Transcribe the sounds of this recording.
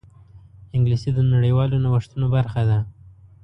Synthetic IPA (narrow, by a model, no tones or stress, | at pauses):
ɪŋɡlisid̪ənaɽəjwɑlonawəʂt̪unobaɾxad̪a